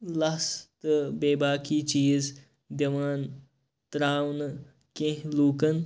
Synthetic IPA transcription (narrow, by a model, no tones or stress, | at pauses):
lɐst̪ɨbeːbaːkiːt͡ʃiːz | d̪ɐʋaːn | t̪ɾaːwnɐ | kẽɦluːkɐn